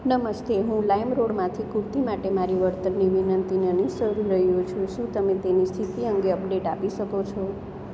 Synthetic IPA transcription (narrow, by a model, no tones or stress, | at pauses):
nəməst̪eɦũlaimɾoɽmãt̪ʰikuɾt̪imaʈemaɾiʋəɾt̪ənːiʋinənt̪inənisəɾiɾəɦjũt͡ʃʰũʃũt̪əmẽt̪enist̪ʰit̪iəŋɡeəpɖeʈapiʃəkot͡ʃʰɔ